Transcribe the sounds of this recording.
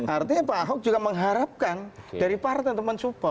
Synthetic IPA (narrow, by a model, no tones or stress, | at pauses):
ʔart̪iɲapaɦɔk̚d͡ʒuɡaməŋɦaɾap̚kandaɾipart̪ɛnt̪əmənsupɔ